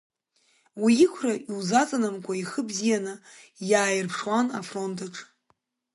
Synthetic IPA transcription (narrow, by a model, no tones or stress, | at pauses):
wiɪkʷʰraʔiwzat͡sʼanamkʷʰaiχəbzijanɨjaːjɪrpʰʂwanafro̞ntʰaʈ͡ʂʰʼ